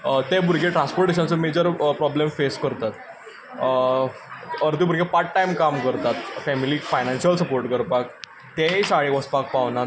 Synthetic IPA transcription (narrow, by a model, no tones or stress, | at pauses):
t̪ebʱuɾɡeʈɾãnspoɾʈeɕ̬ə̃nt͡səmed͡ʑəɾpɾɔblemfeskəɾt̪at̪ | əɾd̪ibʱuɾɡepaʈʈːajmkamkəɾt̪at̪fɛmiliːfajnãnɕjəlsəpoɾʈkəɾpak | t̪ẽɕaɭĩʋəspak̚paʋna